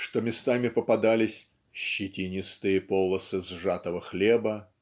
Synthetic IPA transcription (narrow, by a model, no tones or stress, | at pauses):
ʂt̪omʲɪst̪amʲɪpəpɐd̪alʲɪsʲ | ɕːɪtʲinʲɪst̪ɨjəpolˠəsɨzʐat̪əvəxlʲebə